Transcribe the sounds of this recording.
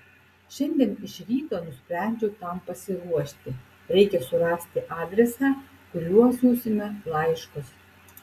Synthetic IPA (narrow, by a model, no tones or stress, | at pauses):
ʃʲɛnʲd̪ʲiɛnɪʃɾʲiːt̪oːnʊsʲpʲɾʲæˑnʲd͡ʒʲɛt̪ɐmpɐsʲɪɾuɔʃʲt̪ʲɪ | ɾʲɛɪkʲɛsʊɾɑsʲt̪ʲɪʔɑːd̪ʲɾʲɛsɑː | kʊɾʲuɔsuːsʲɪmʲɛlˠɑɪʃkɔs